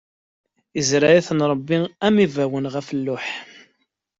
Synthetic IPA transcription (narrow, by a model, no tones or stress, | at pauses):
əzɾajæθənɾˤəbːiæmivæwənʁæfəlːʊħ